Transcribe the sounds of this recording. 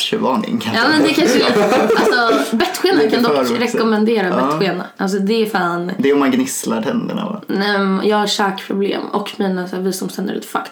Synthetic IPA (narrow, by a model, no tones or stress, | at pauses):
ʃɛvɑːɳɪ̰ŋkʰaɑːmɛnd̪ɛkʰanʂɛɛʔalsɔbɛt̪ːɧeːnakʰand̪ɔkːɾɛkːɔmɛnd̪eːɾaɛɧeːna̰ʔals̬ɔd̪ɛɾfaːnd̪ɛɔmanɡnɪslaɾt̪ʰɛnd̪əɳa̰va̰nɛmjɑːɡhaɾʂɑːkpʰɾʊblḛːmɔ̰kːmiːnasæːɾvisɔmst̪ɛnə̰ɾ̰t̪fakt̪